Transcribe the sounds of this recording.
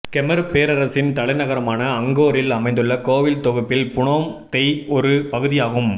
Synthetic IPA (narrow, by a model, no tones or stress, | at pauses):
kɛmɐɾɯpeːɾɐɾɐsɪnt̪ɐɭɐɪnɐɣɐɾɐmaːnɐːŋɡoːɾɪlɐmɐɪnd̪ɯɭːɐkoːʋɪlt̪ɔɣɯpːɪlpʊɳoːmt̪ɛɪɔɾɯpɐɣɯðɪjaːɣɯm